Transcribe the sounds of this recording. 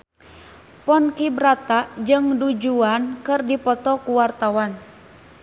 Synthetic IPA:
pɔnkibɾat̪aʔd͡ʒɨŋdud͡ʒuankɨrdipɔt̪ɔkuwart̪awan

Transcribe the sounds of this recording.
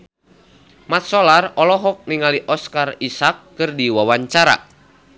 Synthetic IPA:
mat̪̚sɔlarɔlɔɦɔk̚niŋaliʔɔskarisakːɨrdiwawaɲt͡ʃaɾa̰

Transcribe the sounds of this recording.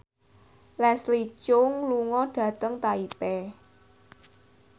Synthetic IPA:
lɛslit͡ʃʊŋluŋɔɖ̥ä̤t̪əŋt̪aipɛ

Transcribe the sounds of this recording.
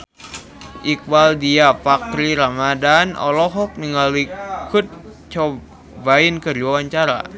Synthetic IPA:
ʔik̚waldiapak̚t̪ɾiɾamadanʔɔ̰lɔɦɔk̚niŋalikʰut̪̚ | t͡ʃɔ | bainkədiwawaɲt͡ʃaɾa̰

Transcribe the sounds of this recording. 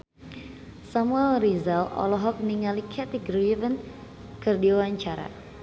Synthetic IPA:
samuɛlrizalɔ̰lɔɦɔk̚niŋalikʰɛt̪iɡɾivən | kɨrdiwawaɲt͡ʃaɾa̰

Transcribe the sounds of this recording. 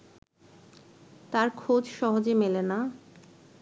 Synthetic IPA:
t̪aɾkʰod͡ʑʃɔɦod͡ʑemelena

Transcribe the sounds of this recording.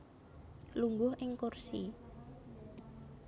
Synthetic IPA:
luŋɡʊhʔɪŋkursi

